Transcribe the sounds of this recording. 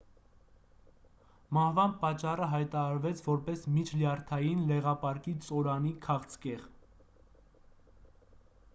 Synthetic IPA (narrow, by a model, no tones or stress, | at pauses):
mɑhvɑnpɑt͡ʃːɑrəɦɑjt̪ɑɾɑɾvɛt͡sʰvɔɾpɛsmit͡ʃʰljɑɾt̪ʰɑjinlɛʁɑpɑɾkit͡sʼɔɾɑnikʰɑχt͡sʰkɛʁ